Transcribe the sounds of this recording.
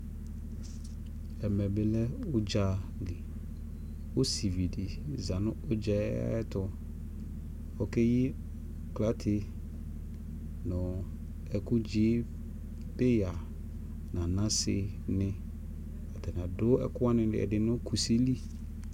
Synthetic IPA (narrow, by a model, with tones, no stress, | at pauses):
ɛ˨mɛ̃˨bɪ˨lɛ˦ʊ˦d͡ʒa˨˦li˨ | o˦si˨vi˨di˨za˨nʊ̃˦ʊ˦d͡ʒɛ˦tʊ˨ | ɔ˨kɛ˦jɪ˦ | kla˦tʰɪ˦ | nʊ̃˨ | ɛ˨kʊ˦d͡ʒi˦ | bɪ˦ja˨ | nã˨nã˦sɪ˨ | nɪ̃˦ | a˨tʰɛ˨n˨ã˨dʊ˦ɛ̰˨kʊ˦a˦nɪ̃˨ɪ̰˨ɛ̰˨dɪ˨nʊ̃˦kʰu˨si˦li˦